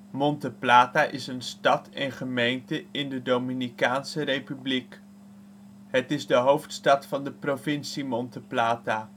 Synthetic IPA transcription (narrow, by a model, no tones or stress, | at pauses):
mɔntəplaːtaːʔɪsənstɑtɛnχəmejntəɪndədowminikaːnsərejpyblik | ɦətɪzdəɦowftstɑtfɑndəprovɪnsimɔntəplaːtaː